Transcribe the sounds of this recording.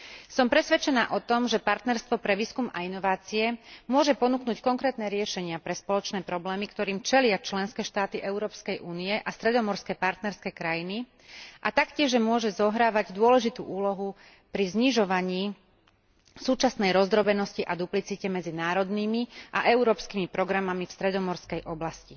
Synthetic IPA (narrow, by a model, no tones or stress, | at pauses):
sɔmpɾɛsʋɛt͡ʃɛnaːʔɔt̪ɔmʒɛpaɾt̪nɛɾst̪ʋɔpɾɛʋiːskumʔa̰inɔʋaːt͡siɛmʊɔʒɛpɔnuknuːckɔŋkɾɛːt̪nɛːɾɪɛʃɛɲɪapɾɛspɔlɔt͡ʃnɛːpɾɔblɛːmikt̪ɔɾiːmt͡ʃɛlɪat͡ʃlɛnskɛːʃt̪aːt̪iʔɛʊɾɔːpskɛjʔuːniɛʔast̪ɾɛd̪ɔmɔɾskɛːpaɾt̪nɛɾskɛːkɾajini | ʔat̪akcɪɛʒɛmʊɔʒɛzɔɦɾaːʋaɟd̪ʊɔlɛʒit̪ṵːʔuːlɔɦu | pɾizɲiʒɔʋaɲiː | suːt͡ʃasnɛjɾɔzd̪ɾɔbɛnɔsciʔad̪uplit͡sicɛmɛd͡zinaːɾɔd̪niːmiʔa̰ʔɛuɾɔːpskimipɾɔɡɾamamifst̪ɾɛd̪ɔmɔɾskɛjʔɔblasci